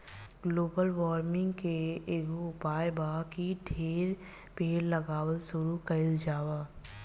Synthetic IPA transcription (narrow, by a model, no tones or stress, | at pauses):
ɡloːbəlʋɔːɾmɪ̃ŋɡkeeːɡoʊpaːjbaːkiɖʰʱeːɾ | bʱeːɾlɐɡaːwəlsʊɾukɐɪld͡ʒaːwaː